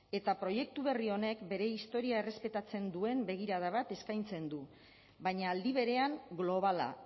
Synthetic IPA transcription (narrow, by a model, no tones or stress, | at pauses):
e̞t̪apɾo̞je̞k̚t̪uβ̞e̞rio̞ne̞kbe̞ɾe̞ist̪o̞ɾiae̞re̞spe̞t̪at͡se̞nd̪ue̞mbe̞ɣ̞iɾaðaβat̪e̞skajnt͡se̞nd̪u | βaɲaːld̪iβe̞ɾe̞aŋɡlo̞β̞ala̰